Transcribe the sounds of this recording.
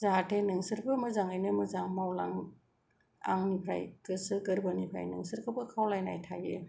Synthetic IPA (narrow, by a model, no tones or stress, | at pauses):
zatʰenɯŋsɯɾbɯmɯzaŋajnɯmɯzaŋmawla̰ŋ | a̰ŋnipʰɾa̰jkɯsɯɡɯɾbanipʰɾa̰jnɯŋsɯɾkʰɯbɯkʰawlajna̰jtʰaje